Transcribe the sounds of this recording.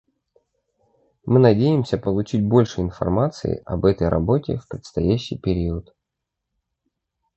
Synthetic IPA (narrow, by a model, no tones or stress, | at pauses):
mɨnɐdʲejɪmsʲəpəlˠʊt͡ɕit̚ʲbo̞lʲʂɨɪnfɐ̰rmat̪sɨ̰ɪ̰ʔɐ̰bɛt̪əjɾʔɐ̰bo̞tʲɪ̰fpɾʲɪt̪st̪ɐjæɕːḭjpʲɪɾʲiət̪